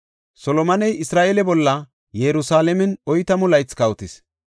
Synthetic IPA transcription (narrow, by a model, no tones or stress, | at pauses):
sɔlɔmɐnɛjɪsɾaːʔelɛbɔlːɐ | jɛɾʊsaːlɛmɛnɔjt̪ɐmʊlɐjt͡skɐwt̪ɪs